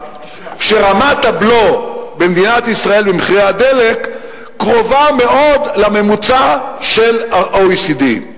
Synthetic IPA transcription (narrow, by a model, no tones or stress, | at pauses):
ʃeʁamat̪ablo̞bemd̪inat̪isʁae̞lbemχiʁehad̪e̞lekː | ʁo̞vame̞ʔo̞d̪lame̞mut͡saʃe̞laʁʔoisid̪i